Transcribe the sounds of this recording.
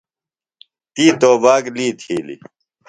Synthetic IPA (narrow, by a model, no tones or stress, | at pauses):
t̪iːt̪oːbaːɡliːt̪ʰiːlḭ